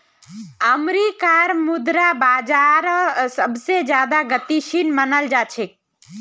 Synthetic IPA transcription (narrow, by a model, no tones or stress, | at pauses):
əmɾikaɾmud̪ɾabaːd͡ʒaːɾsəbsed͡ʒjaːd̪aɡət̪iʃinmənəld͡ʒaːt͡ʃʰek̚